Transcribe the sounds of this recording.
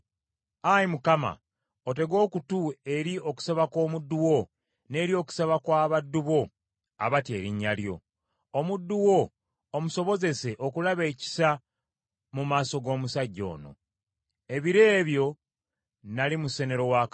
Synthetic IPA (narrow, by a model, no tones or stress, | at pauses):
ajimukama̰ | ote̞ɡo̞ːkutue̞ɾio̞ku̥saβakwo̞ːmudːuwo̞ | ne̞ːɾio̞ːku̥saβakwaːβadːuβo̞ | a̰βatje̞̰ːɾiɲːaljo̞̰ | omudːuwo̞ː | muso̞βo̞ze̞se̞ʔo̞kulaβe̞ːci̥sa | mumaːso̞ɡo̞ːmusaɟːo̞̰ːno̞̰ | e̞βiɾe̞ːβjo̞ | nalimuse̞ne̞ɾo̞wak